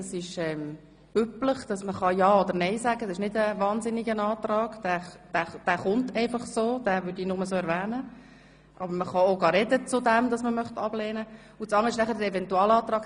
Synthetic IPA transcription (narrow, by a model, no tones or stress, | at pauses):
ɑsɪʃɛm | b̥ypləχd̥ɑsməχɑjɑːod̪əɾnɛɪsæɡədɑsɪʃnɪdəvɑːnzɪnɪɡənɑːt̪rɑːɡ̥d̥æːd̥æːd̥æːχʊntɛɪfɑχsoːd̥æːvʏɾdiːnʊməsoːɛɾvæːnə | ʔɑbəɾməχɑoɡɑːɾɛdət͡sʊdɛmdɑsməmœχtɑb̥lɛːnə | ʊt͡sɑŋːəɪʃnæχəɾd̪əɾɛvɛntuɑːlɑːt̪ɾɑːɡ̥